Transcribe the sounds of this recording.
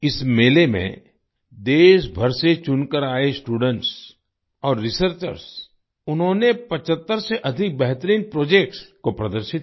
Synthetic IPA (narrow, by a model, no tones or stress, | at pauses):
ɪsmeːlemḛ̃ | d̪eːʃbʱəɾset͡ʃʊnkəɾaːesʈuːɖə̃ɳʈs | ɔːɾːɪsəɾt͡ʃə̰ɾs | ʊnɦõːnepɐt͡ʃət̪ːəɾseʔɐd̪ʱɪk̚bɛɦt̪əɾiːnpɾoːd͡ʒeːk̚ʈskopɾɐd̪əɾʃɪt̪